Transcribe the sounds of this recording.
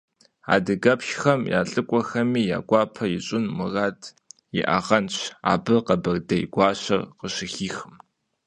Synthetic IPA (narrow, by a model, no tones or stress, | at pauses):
a̰ːdɨɡɐpʃxɐmja̰ːɬʼɨkʷʼɔxɐmiːja̰ːɡʷɑːpʰɐjɪɕʼɪnmɨraːdʰ | jɪ̰ʔɐ̰ʁɐnɕa̰ːbɨqɐbɐrdɐj̰ɡʷɑːɕɐrqəɕɪxiːxɨm